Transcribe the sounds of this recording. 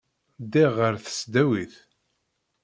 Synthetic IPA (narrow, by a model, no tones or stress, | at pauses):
d̪iʁəɾθə̥sd̪æwiθ